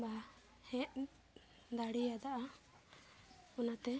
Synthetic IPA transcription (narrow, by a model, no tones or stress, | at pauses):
ba | hɛ̃ʔ | d̪aɽijad̪aʔa | ɔnat̪ɛ